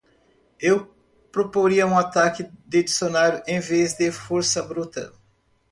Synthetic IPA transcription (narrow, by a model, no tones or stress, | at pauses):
ew | pɾopoɾiɐũat̪akɪd̪ɪd͡ʒisonaɾʊʔẽj̃vezd̪ɪfoɾsɐbɾut̪ɐ̰